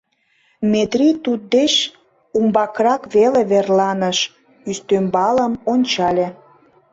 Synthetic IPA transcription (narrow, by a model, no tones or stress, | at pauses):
met̪rit̪ut̪̚d̪eʃ | umbɑkrɑkβeleβerlɑnəʃ | yst̪ømbɑləmonʲt͡ɕɑlʲe